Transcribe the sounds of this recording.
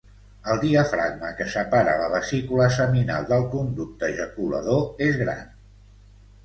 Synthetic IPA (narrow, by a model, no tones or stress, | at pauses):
əlˠd̪iəfɾa̰ɡ̚məkəsəpaɾə̰ləβ̞əsikuləsəmina̰lˠd̪əlˠkund̪uk̚t̪əʒəkulə̰ðoezɣɾa̰n